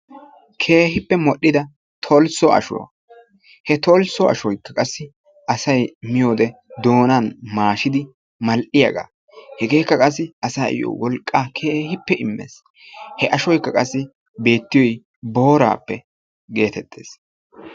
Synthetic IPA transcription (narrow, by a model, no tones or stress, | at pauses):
kʰe̞ːhɪpːɛmɔɗːɪd̪ɐ | t̪ʰɔlsɔɐ̰ʃʊ̰wɐ̰ | hɛt̪ɔlsɔɐ̰ʃɔjkːɐkʼɐsːɪ | ʔɐsɐjmɪjo̞ːd̪ɛd̪o̞ːnanmaːʃɪd̪ɪ | mɐlʔɪja̰ɡa̰ː | hɛɡe̞ːkːɐkʼɐs̬ːɪʔɐsaːɪ̰jo̰ːwɔlkʼːaːkʰe̞ːhɪpːɛʔɪmːḛːs | hɛʔɐʃɔjkːɐkʼɐsːɪ | be̞ːt̪ːɪjɔj | bo̞ːɾa̰ːpːɛ | ɡe̞ːt̪ɛt̪ʰːe̞̰ːs